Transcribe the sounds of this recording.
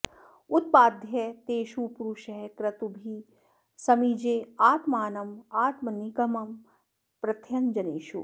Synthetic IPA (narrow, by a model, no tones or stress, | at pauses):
ut̪̚paːd̪ʱjɐt̪eːʃupuɾuʃɐɦkɾɐt̪ubʱi | sɐmid͡ʒeːaːt̪maːnɐmaːt̪mɐniɡɐmɐm | pɾɐt̪ʰjɐnd͡ʒɐneːʃṵ